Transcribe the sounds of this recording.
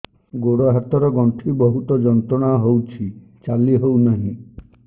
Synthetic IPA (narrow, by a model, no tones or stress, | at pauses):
ɡoɽɔɦat̪ɔɾɔɡɔɳʈʰibɔɦut̪ɔd͡ʒɔnt̪ɾɔɽ̃aɦowt͡ʃʰi | t͡ʃaliɦownaɦĩ